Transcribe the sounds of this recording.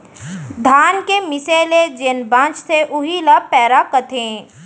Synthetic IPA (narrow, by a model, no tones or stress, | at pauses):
d̪ʱaːnkemɪseːled͡ʒenbãːt͡ʃt̪ʰeʔʊɦilapɛːɾakət̪ʰẽ